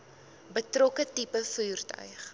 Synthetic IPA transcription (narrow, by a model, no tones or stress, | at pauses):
bətrɔkətipəfuːrtœ̰ɥχ